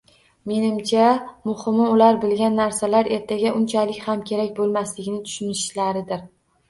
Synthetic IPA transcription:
me̞nɪmt͡ʃʰamʊhɪmɪʊlaɾbɪlɡʲanːaɾsalaɾe̞ɾt̪ʰaɡʲaʔʊnt͡ʃʰalɪkʲhamkʲʰe̞ɾakʲbolˠmaslɪɡʲɪnɪt̪ʰʊ̥ʃʊnɪʃlaɾɪd̪ɪɾ

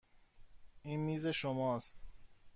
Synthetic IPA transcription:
ʔiːnmiːze̞ʃomɒːst̪̚

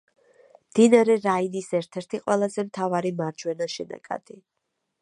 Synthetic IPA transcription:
md̪̥inaɾɛɾainisɛɾt̪ʰɛɾt̪ʰiqʼwɛlˠazɛmt̪ʰavaɾimaɾd͡ʒwɛnaʃɛna̰kʼa̰d̪̥i

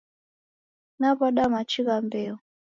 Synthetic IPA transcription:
naβaɗamat͡ʃiɣambɛɔ

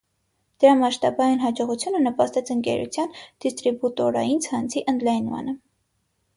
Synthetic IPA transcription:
d̪̥əɾɑmɑʃt̪ɑbɑjinɦɑd͡ʒɔʁut͡sʰjunənəpɑst̪ɛt͡sʰəŋkɛ̰ɾṵt͡sʰjɑnd̪̥ist̪ɾibut̪ɔɾɑ̰jint͡sʰɑnt͡sʰiʔənd̪lɑjnmɑ̰nə

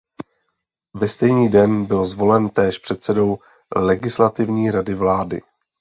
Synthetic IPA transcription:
vɛst̪ɛjɲiːdɛnbɪlzvo̞lɛnt̪ɛːʃpr̥ɛt̪sɛdo̞w | lɛɡɪslat̪ɪvɲiːɾadɪvlaːdɪ̰

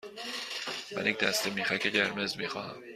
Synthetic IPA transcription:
mæ̰nicd̪̥æst̪emiːxæcʰeɟeɾmezmiːxɒːhæ̰m

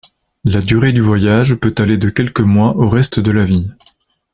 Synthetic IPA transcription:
lad̪yʁed̪yvwajaʒpøt̪aled̪əkʲɛlkəmwaʔoʁɛst̪əd̪əlavi

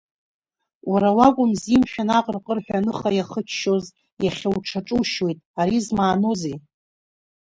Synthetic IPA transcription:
waɾawakʷʼʊmzimʃᶣanaqʼərqʼərħʷᶣanɨχajaχət͡ʃʰʃo̞z | jaχʲawʈ͡ʂʰaʈ͡ʂʼuʃwejtʼaɾizmaːno̞ze

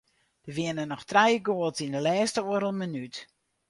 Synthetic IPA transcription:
d̥əʋɪənənɔxtrɛjəɡoəlˠtindəlɛːstəoəɾəlˠmənyt

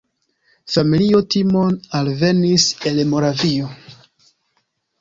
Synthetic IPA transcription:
familio̞timo̞nalve̞nise̞lmo̞ɾavio

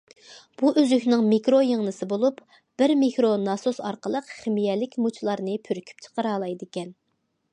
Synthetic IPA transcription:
b̥uʔøzykʲnɪŋmikɾojəŋnɨsɨbolˠup | b̥ɪɾmikɾonɑsosɑ̰ɾqəlˠəqχɪmijɛlɪkʲmut͡ʃʰlˠɑɾnɨpʰyɾkʲʰy̥p̚t͡ʃʰə̥qəɾɑːlˠɑjd̪ɪkʲɛn

